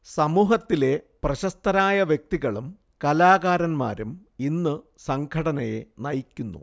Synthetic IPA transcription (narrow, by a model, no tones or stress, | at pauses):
sɐmuːɦɐt̪ːile̞prɐɕɐst̪ɐnaːjɐʋjek̚t̪iɣɐɭum | kɐlaːɣaːɾɐnma̰ːɾum | inːɨ | sɐŋɡʰʱɐɽɐnɐjḛnɐjikʲːunːṵ